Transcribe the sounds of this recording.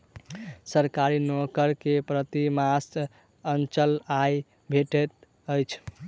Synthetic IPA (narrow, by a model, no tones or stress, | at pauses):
səɾkaɾinokəɾkepɾət̪imas | ənt͡ʃəlaj | bʱeʈet̪ | əjt͡ʃʰ